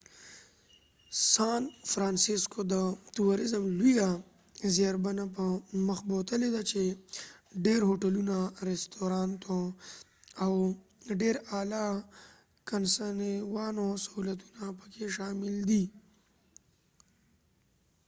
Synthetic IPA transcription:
sɑːnfɾɑːnsiskod̪ət̪uwaɾɪzəmluja | zjaɾbanapəməxbot̪əled̪at͡ʃe | ɖeɾɦoʈalunaɾest̪oɾɑːnt̪o | awɖeɾaːla | kansanewɑnosahulat̪unapə̥kʰeʃaːmɪld̪i

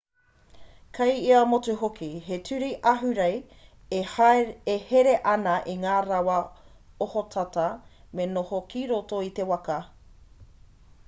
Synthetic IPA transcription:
kʰɐjiɐmotuɦokʰiɦetʰʉɾiʔɐɦʉɾej | eheɾeʔɐnɐʔiŋaːɾɐwɐ | ohotʰɐtɐ | menohokiɾotoit̪e̞wɐkɐ

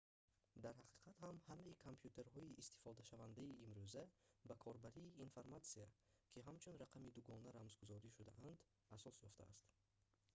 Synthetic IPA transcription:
d̪aɾhaqʰi̥qʰat̪hamhamaikʰompʰjut̪ʰe̞ɾhɔiʔːst̪i̥fɔd̪aʃavand̪aiːmɾuzæbakʰɔɾbaɾiːnfaɾmat̪siakʰiɦamt͡ʃʰunɾaqʰamid̪uɡɔnaɾamzɡuzɔɾiʃud̪aʔand̪ | asɔsjɔft̪a̰a̰st̪

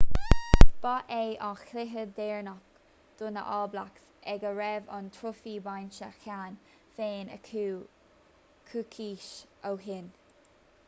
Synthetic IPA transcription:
b̥ɑʔeːʔɑxlɪɦəd̪ɛːɹnɔk | d̪̥ʊnə̰ʔɑːblaks | ɛɡəɹɛvɑ̰nt̪ʰɾofiːbajnʃəxan | feːnə̰ | kʰuːkʰiːʃʔowɦɪn

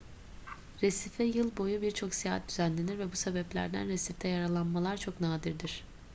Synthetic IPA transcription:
ɾesifɛjɯlˠbo̞jubiɾt͡ʃʰo̞ksijaːɦat̪̚d̪̥yzænlʲe̞niɾvɛbuse̞bɛplʲæ̰ɾd̪æ̰nɾesift̪ʰɛjaɾalˠanmalˠaɾt͡ʃʰo̞knaːd̪iɾd̪iɾ̥

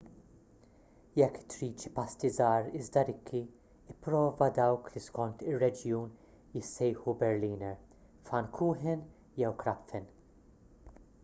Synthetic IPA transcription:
jɛkːt̪ɾiːt͡ʃpɐst̪izɐːɾɪzd̪ɐɾɪkʰːi | ɪpːɾɔːvɐd̪ɐwkliskɔnt̪ɪrːɛd͡ʒjuːn | jɪsːɛjħubɛɾliːnɛɾ | fɐnkʰuːħɪn | jɛwkɾɐpfɪn

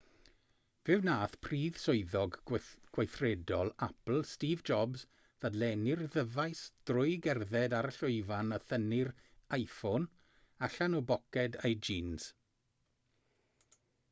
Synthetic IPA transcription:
vɪwnaːθpʰriːð̥sʊɨðɔɡɡ̥wajθrɛdɔlˠapl̩ˠstiːvd͡ʒɔbz | ðadlɛnɪrðəvajsd̥rʊjɡɛrðɛdaɾəɬʊɨvanəθənɪrajfon | aɬanɔbɔkɛdajd͡ʒiːnz̥

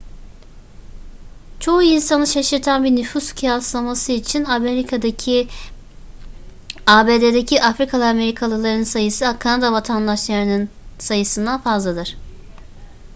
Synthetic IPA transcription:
t͡ʃʰo̞uinsanɯʃaʃɯɾt̪ʰanbiɾnyfuscʰijaslˠamasɯit͡ʃʰinameɾikʰad̪acʰi | aːbe̞d̪ed̪ecʰiʔafɾikʰalˠɯame̞ɾikʰalˠɯlˠaɾnɯnsajɯsɯakʰanad̪avat̪ʰand̪aʃlˠaɾɯnɯnsajɯsɯnd̪anfazlˠad̪ɯɾ̥

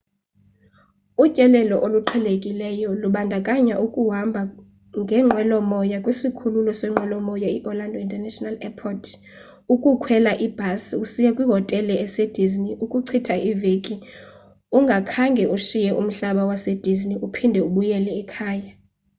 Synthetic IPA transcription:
ucʼɛlɛlɔʔoluǃʰɛlekʼilɛjɔluɓandʱakʼaɲaʔukʼuɦambʱa | ŋɡʱɛŋ͡ǃʱwɛlɔmɔjakʼwisikʰululɔswɛŋ͡ǃʱwɛlɔmɔjaiʔɔlandʱɔintʼɛnɛʃɔnalɛpʰɔtʰ | ukʼukʰwɛlaʔib̥ʱasusijakʼwiɦɔtʼɛlɛɛsed̥ʱizniʔukʼuǀʰitʰaʔivekʼi | uŋɡʱakʰaŋɡʱɛʔuʃijɛʔum̩ɬaɓawased̥ʱizniupʰindʱɛuɓujɛlɛːkʰaːja

